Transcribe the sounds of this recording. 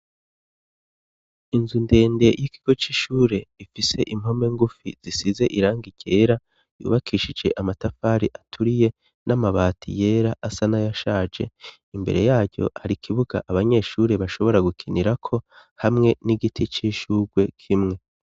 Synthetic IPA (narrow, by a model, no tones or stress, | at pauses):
inzunde̞ːnde̞jiki̥ɡ̥o̞t͡ʃiːʃuːɾe̞ifise̞ʔim̥ho̞me̞ŋɡufḭz̥isize̞ʔiɾaːŋɡiɟe̞ːɾa | jṵːβakʰiːʃid͡ʒe̞ʔamatafaːɾiʔatʰuɾije̞ | namaβaːtʰḭje̞ːɾaʔasanajaʃaːd͡ʒe̞̰ | imbe̞̰ɾe̞̰jaːɟɟo̞̰haɾikʰiβuɡa̰ʔaβaɲe̞ːʃuɾe̞βaʃo̞βo̞ɾaɡukʰiniɾakʰo̞ | hamŋe̞niɡitʰit͡ʃiːʃuɡwe̞kʰimŋe̞